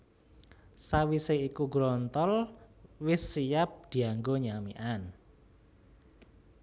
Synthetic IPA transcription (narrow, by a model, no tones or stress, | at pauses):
sawiseikuɡɾɔnt̪ɔlwɪsːijap̚d̪̥i̤aŋɡoɲamiʔan